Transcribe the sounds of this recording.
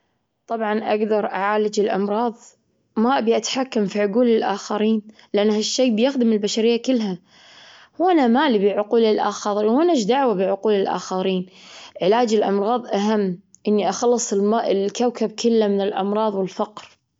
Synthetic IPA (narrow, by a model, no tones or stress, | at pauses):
t̪ˤɑbʕɑnʔaɡd̪ɑɾˤʔaʕaːlɪd͡ʒɪlʔɑmɾˤɑːðˤ | maʔbiʔat̪ħakːamfiʕʊɡuːlɪlʔaːxaɾiːn | lɪʔanːhaʃːeːbjɪxd̪ɪmɪlbaʃaɾɪjːakɪlːɦa | hwʔanamaːlibɪʕʊquːlɪlʔa̰ːxɑðˤiwʔanaʃd̪aʕwabɪʕʊquːlɪlʔa̰ːxaɾiːnʕɪlaːd͡ʒɪlʔɑmɾˤɑːðˤʔaɦamːʔɪnːiʔaxɑlːɨsˤɪlmaːʔɪlkawkab̚kʰɪlːamɪnɪlʔɑ̰mɾˤɑːðˤwɪlfɑqɾ